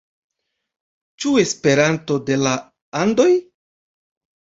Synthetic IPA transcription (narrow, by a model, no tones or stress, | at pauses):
t͡ʃue̞spe̞ɾanto̞de̞la | ando̞j